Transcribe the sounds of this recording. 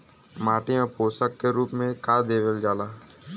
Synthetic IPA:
maːʈɪjãːpoːsəkːeɾuːpmẽkaːd̪eːʋeld͡ʒaːlaː

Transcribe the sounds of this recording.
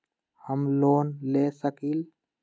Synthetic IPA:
həmloːnleːsəkil

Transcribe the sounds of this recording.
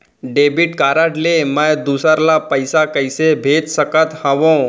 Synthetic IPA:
ɖeːbɪʈkaːɾəʈleməjd̪uːsəɾlapəɪsakɐɪsebʱeːd͡ʒ̪səkət̪hɐ̃ʋõ

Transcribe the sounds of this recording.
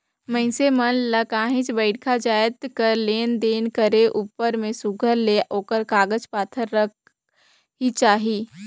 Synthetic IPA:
mɐ̃ɪ̃semənlɐkãːɦɪ̃t͡ʃbəɪʈkʰad͡ʒaːɪt̪kəɾleːnd̪eːnkəɾeʔuːpəɾmẽsʊɡʱəɾleʔoːkəɾkaːɡəd͡ʒpaːt̪ʰəɾːək̚ | ɦit͡ʃaːɦiː

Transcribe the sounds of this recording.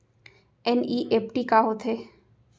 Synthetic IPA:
ɛniːʔeːpʈikaɦot̪ʰɦeː

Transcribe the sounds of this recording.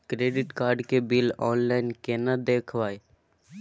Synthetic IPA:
kɾeːɖɪʈkaːɾɖkebilɔːnlaːɪnkeːnad̪eːkʰʋaːe

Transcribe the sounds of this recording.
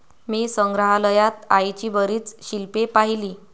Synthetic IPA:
miːsəŋɡɾəɦaləjat̪ajt͡ɕiːbəɾiːt͡sɕilpepaɦiliː

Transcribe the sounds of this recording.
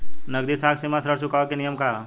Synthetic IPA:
nɐɡ̚d̪isaːksimasɾəɽsukaʋakenijəmka

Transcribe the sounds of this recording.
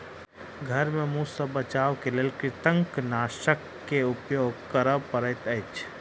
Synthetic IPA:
ɡʱɐɾmẽmũsəbət͡ʃaːʋkeleːlkɾɪt̪ə̃ŋknaːʃəkːeʊpjoːɡ̚kəɾəpəɾət̪əɪt͡ʃ

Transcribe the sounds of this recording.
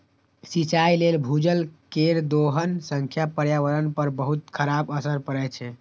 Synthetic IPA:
sit͡ʃajlelbʱud͡ʒəlkeɾd̪oɦənsə̃ŋkʰjapəɾjaʋəɾənpəɾbəɦut̪kʰəɾabəsəɾpəɾɛt͡ʃʰɛ

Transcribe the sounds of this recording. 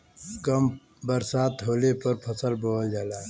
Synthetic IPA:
kəm | bəɾsaːt̪ɦoːlepɐɾpʰəsəlbold͡ʒaːlaː

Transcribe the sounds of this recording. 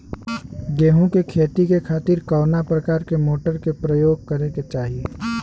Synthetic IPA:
ɡeːɦũkekʰeːt̪ikekʰaːt̪ɪɾkɔːnapɾəkaːɾkemoːʈəɾkepɾəjoːɡ̚kəɾẽket͡ʃaːɦie

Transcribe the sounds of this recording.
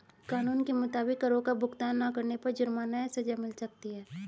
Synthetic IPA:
kaːnuːnkemʊt̪aːbɪkːɐɾõkabʱʊɡt̪aːnːakɐɾnepɐɾd͡ʒʊɾmanəsɐd͡ʒamɪlsɐk̚t̪iɦɛː

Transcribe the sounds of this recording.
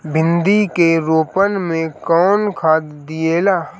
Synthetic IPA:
bʱɪ̃nd̪ikeɾoːpənmẽkɔːnkʰaːd̪ːijeːlaː

